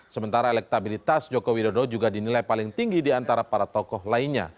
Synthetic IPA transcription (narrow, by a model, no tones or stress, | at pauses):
səmənt̪aɾaelɛk̚t̪abilit̪asd͡ʒokowidodod͡ʒuɡadinilajpalɪŋt̪iŋɡidiant̪aɾapaɾat̪ɔkɔhlainɲa̰